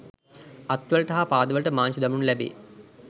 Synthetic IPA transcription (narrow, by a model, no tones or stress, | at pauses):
ɐt̪ʋəlʈɐɦapaːd̪əʋəlʈəmaːnsud̪ɐmunlæbḛː